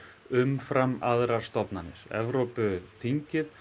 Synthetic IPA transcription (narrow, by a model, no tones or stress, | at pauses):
ʏmfɾamːaðɾaɾ̥st̪ɔpnanɪ̰ɾɛ̰vɾowpʏθiɲcɪð